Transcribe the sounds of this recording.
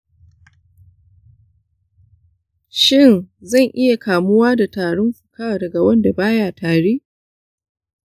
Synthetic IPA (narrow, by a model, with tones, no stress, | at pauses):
ʃɪ˦˨nzɐ˦˨ŋʔɪ˦ja˨kaː˨mʊ˦waː˦da˨taː˨ɽʊ˦mɸʊ̥˨kaː˦wa˨dɐ˨ɡa˨wɐ˦nda˨baː˦jaː˨tʰaː˨ɽeː˦